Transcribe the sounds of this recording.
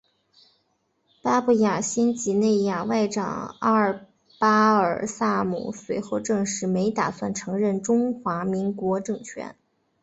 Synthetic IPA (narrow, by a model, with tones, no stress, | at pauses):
pa˥pu˥˩ja˨˩ɕi˥nt͡ɕi˧˥ne˥˩ɪja˨˩wa˥˩ɪʈ͡ʂɑ̰˨˩˦ŋa˥˧ə˞˨˩ | pa˥ə˞˨˩sa˥˩mṵ˨˩swe˧˥ɪxo˥˧ʊʈ͡ʂɤ˥˧ŋʂɻ̩˧˥˩me˧˥ɪt̪a˨˩swa˥˩nʈ͡ʂʰɤ˧˥ŋɻə˥˩nʈ͡ʂʊ˥ŋxwa˧˥mi˧˥ŋkwɔ˧˥ʈ͡ʂɤ˥˩ŋt͡ɕʰɥɛ̰˧˥n